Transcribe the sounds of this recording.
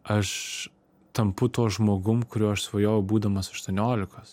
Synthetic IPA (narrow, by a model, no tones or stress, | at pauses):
ɐʃ | t̪ɐmpʊt̪uːʒmoːɡʊmkʊɾʲuːɐʃsʋɐjoːjɛʊbuːd̪ɐmɐsɐʃt̪uːnʲoːlʲɪkɐs